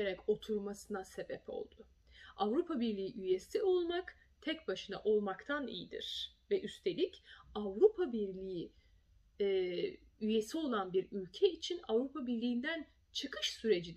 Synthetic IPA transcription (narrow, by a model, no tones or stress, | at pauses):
eɾɛko̞t̪ʰuɾmasɯnase̞bɛpʰo̞̰lˠd̪̥ʊ | avɾupʰabiɾlʲiːiʔyje̞sio̞lˠmak | t̪ʰɛc̚baʃɯna̰ʔo̞lˠmakt̪ʰanḭjḭd̪ḭɾ̥vɛʔyst̪ʰe̞lʲicavɾupʰabiɾlʲiji | ɛ | yje̞sio̞lˠanbiɾylʲcʰɛit͡ʃʰinavɾupʰabiɾlʲiːnd̪æn | t͡ʃʰɯkʰɯʃsyɾe̞d͡ʒid̪